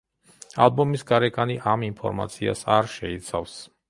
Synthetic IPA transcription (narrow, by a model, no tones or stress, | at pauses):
a̰lˠbɔmisɡaɾɛɡʼaniʔaminpʰɔ̰ɾma̰t̪sʰia̰saɾʃɛit̪sʰafs